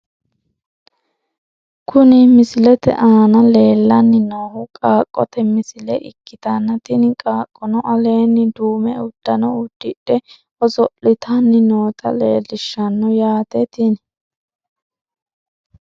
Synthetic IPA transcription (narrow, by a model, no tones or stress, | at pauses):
kʰʊnɪmɪsɪlɛt̪ɛ̰ʔaːnɐle̞ːlːɐnːɪnoːhʊkʼaːkʼːɔt̪ɛmɪsɪlɛ̰ʔɪkːɪt̪ɐnːɐt̪ɪnɪkʼaːkʼːɔnɔʔɐle̞ːnːɪd̪uːmɛʊd̪̥ːɐnɔʊd̪̥ːɪɗːɛ | ɔzɔʔlɪt̪ʰɐnːɪnoːt̪ʰɐ̰leːlːɪʃːɐnːɔjaːt̪ɛt̪ɪn